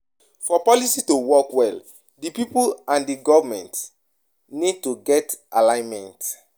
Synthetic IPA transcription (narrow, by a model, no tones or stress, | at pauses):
fɔpɔlisitowɔkwɛl | dipipulãndiɡɔvamɛ̰̃nt | nid̚tuɡɛtalãɪ̃nmɛ̃nt